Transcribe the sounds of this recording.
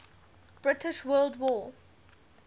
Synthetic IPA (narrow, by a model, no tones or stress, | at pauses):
b̥ɹɪtɪʃwɜːldwɔː